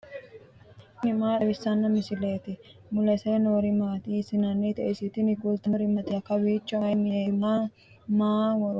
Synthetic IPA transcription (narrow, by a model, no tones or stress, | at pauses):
nɪmaːɛbɪsːɐnːɐmɪsɪleːt̪ɪmʊlɛseːnoːɾɪmaːt̪isɪnɐnːet̪ɛʔɪsɪt̪ɪnɪɡult̪ɐnɾɪmɐt̪ɪɐkːɐwiːt͡ʃːɔjmɪema | maːwɔɾ